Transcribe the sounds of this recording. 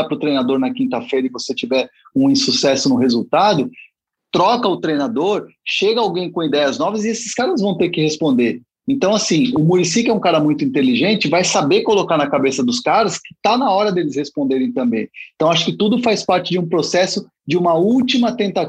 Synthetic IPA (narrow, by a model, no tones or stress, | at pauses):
apɾʊt̪ɾejnad̪oɾnɐkĩnt̪ɐfejɾɐɪvoset͡ʃivɛɾũĩsusɛsʊnʊɦezuwt̪ad̪ʊ | t̪ɾɔkɐʊt̪ɾejnad̪oɾʃeɡɐawɡẽj̃kõid̪ɛjɐznɔvɐzɪesɪ̥skaɾɐzvɐ̃w̃t̪eɾkɪhespõnd̪eɾ | ẽnt̪ɐ̃w̃asĩʊmunisikɪɛũkaɾɐmũj̃t̪ʊĩnt̪eliʒẽnt͡ʃɪvajsabeɾkolokaɾnɐkabesɐd̪ʊskaɾɐskɪ̥t̪anɐɔɾɐd̪elɪshespõnd̪eɾẽj̃t̪ɐ̃mbẽj̃t̪ɐ̃w̃aʃʊ̥kɪt̪ud̪ʊfajspaɾt͡ʃɪd͡ʒɪũpɾosɛsʊ | d͡ʒɪũmɐut͡ʃimɐt̪ẽnt̪a